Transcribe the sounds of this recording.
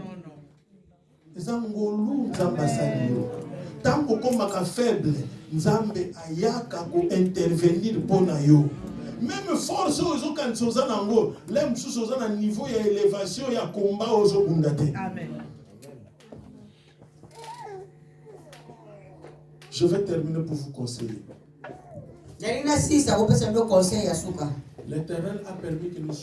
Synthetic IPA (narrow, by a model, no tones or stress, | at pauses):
ezaŋɡolunzambasalitaŋɡokomakafɛblɛnzambeʔajakakoʔɛ̃tɛʁveniʁponajɔmɛmfɔʁsoezokandisozanaaŋɡolɛmususuozananivojaelevasjɔ̃jakombaozobundate | ʒəvɛtɛʁminepuvukɔ̃sɛ̰je | dalinasisakopesamokɔ̃sɛjjasukaletɛʁnɛlapɛʁmikəni